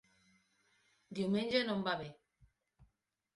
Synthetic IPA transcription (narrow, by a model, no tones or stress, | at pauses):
djomend͡ʒɛnɔmbabe